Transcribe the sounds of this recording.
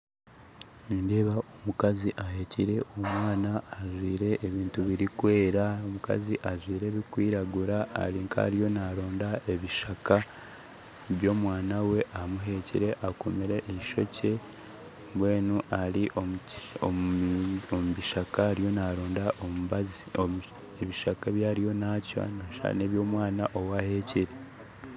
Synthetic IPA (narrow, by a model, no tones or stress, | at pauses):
niːnde̞ːβaʔo̞mukaziʔaɦe̞ciɾe̞ʔomwaːnaːʒwiːɾe̞ːβiːntuβiɾikwe̞ːɾaomuka̰ziʔaʒwiːɾe̞βikwiːɾaɡuɾaa̰ɾiŋkʰa̰ɾijo̞naɾo̞ːndae̞βiʃaka | βjo̞ːmwaːnawe̞ʔamuɦe̞cḭɾe̞ʔakomiɾe̞ʔeiʃo̞̰cʰe̞ | mbwe̞ːnuʔaɾiʔoo̰ | omuβiʃakaɾijo̞naɾoːndaʔozo | eβiʃakaβjaːɾijo̞naca̰nʃa̰neβjo̞ːmwaːnaʔo̞wahe̞ciɾe̞